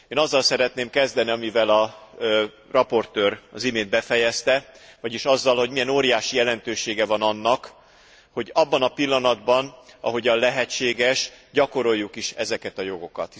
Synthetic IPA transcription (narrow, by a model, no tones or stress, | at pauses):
eːnɒzːɒlsɛɾɛt̪neːmkɛzd̪ɛniɒmivɛlɒ | rɒpo̞rt̪øːrɒzimeːnd̪̚bɛfɛjɛst̪ɛvɒɟiʃɒzːɒlho̞ɟmijɛnoːɾijaːʃijɛlɛnt̪øːʃeːɡɛvɒnɒnːɒk | ho̞ɟɒbːɒnɒpilːɒnɒd̪bɒnɒ̰ɦo̞ɟɒnlɛɦɛt͡ʃːeːɡɛʃɟɒko̞ɾo̞jːukiʃɛzɛkɛt̪ɒjo̞ɡo̞kɒ̰t̪